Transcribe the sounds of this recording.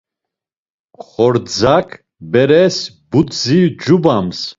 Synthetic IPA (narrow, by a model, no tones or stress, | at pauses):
χɔɾd͡zakʰ | bɛɾɛs | but̪zid͡ʒubams